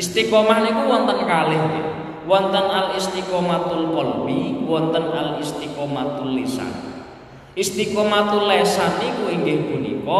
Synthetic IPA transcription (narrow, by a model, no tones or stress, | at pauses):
ist̪ikɔmahnikuwɔnt̪ənkalɪhɲḛ | wɔnt̪ənalist̪ikɔmat̪ulkɔlbiwɔnt̪ənalist̪ikɔmat̪ulːisa̰n | ist̪ikɔmat̪ulːɛsanikuiŋɡɪŋbunḭkɔ